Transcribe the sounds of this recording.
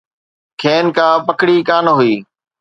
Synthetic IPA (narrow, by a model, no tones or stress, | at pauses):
kʰeːnkãːpəkɽiːkaːnɦʊiː